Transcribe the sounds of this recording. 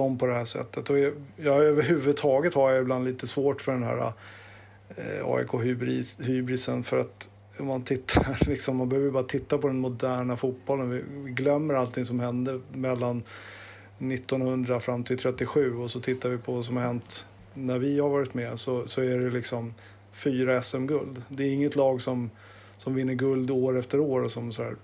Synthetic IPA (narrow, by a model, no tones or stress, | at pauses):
sɔmpʰɔd̪ɛhæːʂɛ̰t̪ːət̪ɔɛjɑøːvəɾɦʉ̟ːvɵd̪̚t̪ʰɑːɡət̪haɾjaɪbland̪liːt̪əsvoːʈfœɖɛnɦæ̰ːɾa̰ | ɑ̰ːɛ̰kʰoːbɾhyːbɾɪsənfœɾat̪ | ɔmːant̪ʰɪt̪ʰːaɾlɪksɔmːanbɛhøːvəjbɑːɾat̪ʰɪt̪ːapɔd̪ɛnmʊd̪æːɳafuːt̪̚bɔlːənvɪvɪɡlœmːəɾalt̪ʰɪŋsɔmhɛnd̪əmɛlːanː | ɪt̪ːɔnhɵnd̪ɾafɾamːt̪ʰɪlt̪ʰɾɛt̪ːɪɧʉ̟ːɔsɔt̪ʰɪt̪ːaɾvɪpʰɔvas̬ɔmhaɾhɛnt̪ | næɾvɪhaɾvɑːɾɪt̪mɛsɔsɔæɖɛlɪksɔm | fyːɾaɛsɛmɡɵld̪d̪ɛːɪŋːət̪lɑːɡsɔm | sɔmvɪnːəɡɵld̪oːɾɛft̪əɾoːɾɔsɔmsɔdæ̰ːɾ